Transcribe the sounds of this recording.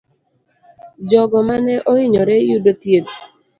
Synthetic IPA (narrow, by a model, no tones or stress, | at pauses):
d͡ʒɔɡɔmanɛʔoɪɲɔɾɛjudotjet